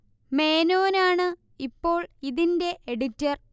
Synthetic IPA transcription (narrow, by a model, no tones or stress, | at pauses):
me̞ːnoːnaːɳɨ | ipːo̞ːɭiðinde̞ʔeɽitːɐr